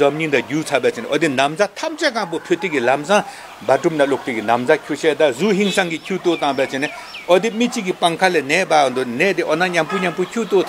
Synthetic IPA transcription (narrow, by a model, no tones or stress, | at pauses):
zɔmɲind̪aɟuːt͡sʰapet͡ɕeneʔɔd̪inamd͡zat̪ʰam̚t͡ɕakaŋpopʰøt̪ikilamsaŋ | baʈ͡ʂumnalok̚t̪ikinamd͡zakʰuɕɛd̪azuɦiŋsaŋkicʰut̪ot̪aŋbet͡ɕene | ʔɔd̪imit͡ɕikipaŋkʰalenɛːpand̪onɛːd̪eʔɔnaɲampuɲampucʰut̪o